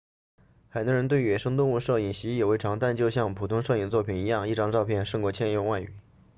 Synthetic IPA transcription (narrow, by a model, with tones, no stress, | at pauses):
xa˨˩ɪt̪wɔ˥ɻə˧˥nt̪we˥˩ɪ˥ɥɛ˨˩ʂɤ˥ŋt̪ʊ˥˧ŋu˥˧ʂɤ˥˩i˨˩ŋɕi˧˥˩jɛ˨˩we˧˥ɪʈ͡ʂʰɑ˧˥ŋt̪a˥˧nt͡ɕjo˥˧ʊɕjɑ˥˩ŋpʰu˨˩t̪ʰʊ˥ŋʂɤ˥˩i˨˩ŋnə˦t͡swɔ˥˩pʰi˨˩ni˧˥jɑ˥˧ŋi˥˩ʈ͡ʂɑ˥ŋʈ͡ʂɑ˥˧ʊpʰjɛ˥˧nʂɤ˥˩ŋkwɔ˧˥t͡ɕʰjɛ˥˧njo˥˧ŋwa˥˩ɪy̰˨˩˦